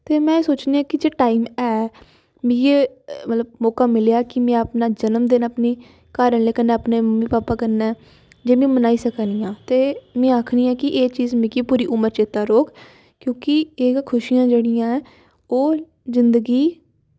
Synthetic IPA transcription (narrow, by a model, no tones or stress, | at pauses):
t̪eːmɛ̃ːsoːt͡ʃneːãːkɪd͡ʒeːʈaːiːmɛː | mĩːjeː | mət̪ləb̚mɔːkaːmɪleaːkɪmɛ̃ːəpnaːd͡ʒənəmd̪eːnəpniː | kaːɾəɳleːkənːẽːəpneːməmːiːpaːpaːkəɾnɛː | d͡ʒeːmẽːmənaːiːsəkːniːãːt̪eːmɛ̃ːakʰniːɛːkɪʔeːt͡ʃiːzmɪ̃kipuːɾiːʔʊməɾt͡ʃeːt̪aːɾoːk | kjõːkɪeːkʰʊʃijãːd͡ʒeːɽɪjãːɛ̃ː | oː | zɪnd̪əɡiː